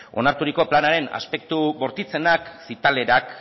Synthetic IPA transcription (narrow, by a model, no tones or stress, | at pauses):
o̞̰naɾt̪uɾiko̞planaɾe̞na̰spe̞k̚t̪uβo̞ɾt̪it͡se̞naksit̪ale̞ɾak